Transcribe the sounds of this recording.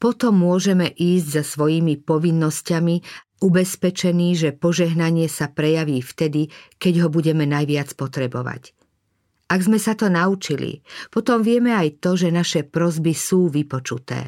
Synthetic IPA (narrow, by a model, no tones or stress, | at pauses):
pɔt̪ɔmːʊɔʒɛmɛʔiːzɟzasʋɔjiːmipɔʋinːɔscami | ubɛspɛt͡ʃɛniːʒɛpɔʒɛɦnaɲɪɛsapɾɛjaʋiːft̪ɛd̪ikɛɟɦɔbuɟɛmɛnajʋɪat͡spɔt̪ɾɛbɔʋa̰c | ʔaɡzmɛsat̪ɔnaut͡ʃilḭpɔt̪ɔmʋɪɛmɛajt̪ɔʒɛnaʃɛpɾɔzbisuːʋipɔt͡ʃut̪ɛ̰ː